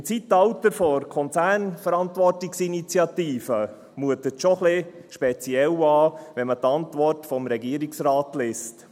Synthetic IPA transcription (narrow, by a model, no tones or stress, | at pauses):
ɪnt͡sitɑwtəɾfɔɾkʰɔnt͡sæːrnfəɾɑntʋɔrtiksinit͡sjɑtiːfə | muətətʃɔχlɪʃpɛt͡siɛlɑːʋɛnmət̪ɑntʋɔrtfɔmɾɛɡiːəɾiksrɑːtlest